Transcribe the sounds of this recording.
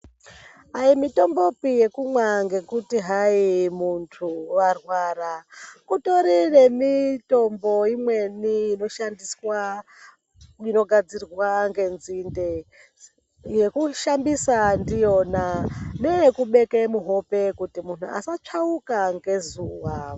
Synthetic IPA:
aimito̞mbo̞pije̞kumwaŋɡe̞kutiɦaimuntʰuwarwaːɾakuto̞ɾine̞mito̞mbo̞imwe̞niːno̞ʃandiswa | ino̞ɡʱad͡zirwaŋɡe̞nzinde | je̞kuʃambisandijo̞ːnane̞kuɓe̞kemuɦo̞pe̞kutimun̤ṵa̰sat͡ʂaukaŋɡe̞zuːwa

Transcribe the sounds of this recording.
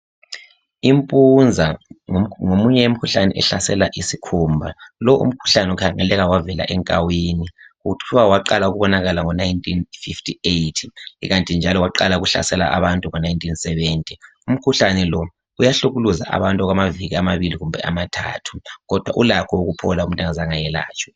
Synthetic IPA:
impʼund͡zʱa | ŋomuɲɛjom̩kʰuɬanɛ̰ʔɛ̰ɬasɛlaʔisikʰumbʱalɔʔṵm̩kʰu̥ɬanɛuhaŋɛlɛɣawavɛla̰ʔɛŋkʼawiːni | utʰuwawaǃalauɣuβɔnaɣalaŋɔnajntʰʼinfiftʰiejtʰi̥ḭɣantʼind͡ʒʱalɔwaǃa̰lauɣuɬa̰sɛla̰ʔaβantʼuŋɔnajntʰinsɛβentʼi | um̩kʰuɬanɛlɔ | ujaɬuɣuluza̰ʔa̰βantʼuɣwamaviɣiamaβiliɣumbʱɛʔa̰matʰa̰ːtʰu̥ɣɔd̥ʱwaʔulakʰɔoɣupʰɔlaum̩ntʼaŋazaŋajɛla̰ːt͡ʃʰʼɔ̥

